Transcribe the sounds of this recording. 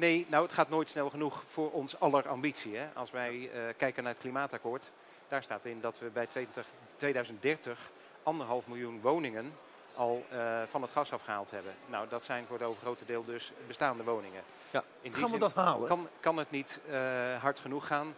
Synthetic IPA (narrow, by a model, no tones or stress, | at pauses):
nejnawətχaːtnoːjtsnɛlˠχənuχfʊːɹʔɔnsɑləɹɑmbitsiɦɛʔɑ̰lˠsʋɛjkɛjkənaːɹətklimaːtakʊːɹt | d̥aːɹstaːtɪndɑtʋəbɛjtʋe | tʋejdœɥzən̚dɛɹtəχ | ʔɑndəɹɦɑlˠfmɪlˠjunʋownɪŋən | ʔɑlˠv̥ɑnɦətχɑsɑfχəɦa̰ːlˠtɦɛbənnawdɑtsɛjnvʊːɹətowvəχrowtədɪːlˠdɵsbəstaːndəʋownɪŋə | ɪndaːnʋədɦaːləkɑnkɑnətnit | ɦɑɹtχənuχːaːn